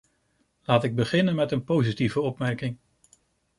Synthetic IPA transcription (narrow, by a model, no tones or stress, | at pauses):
laːtɪɡ̚bəχɪnənmɛtənpowzitivəɔpmɛɹkɪŋ